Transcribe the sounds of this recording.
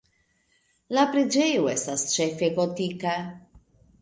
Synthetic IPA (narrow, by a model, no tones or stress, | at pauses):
lapɾid͡ʒejuɛst̪ast͡ʃefekot̪ika